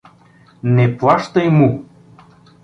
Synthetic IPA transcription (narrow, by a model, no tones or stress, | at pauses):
neplˠɑʃt̪ɤjmu